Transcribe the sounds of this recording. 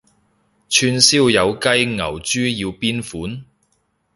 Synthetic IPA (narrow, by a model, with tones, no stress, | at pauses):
t͡ʃʰyː˧nsiː˥wjɐ˨˧wkɐ˥jŋɐ̰˨˩wt͡ʃyː˥jiː˧wpiː˥nfuː˨˥n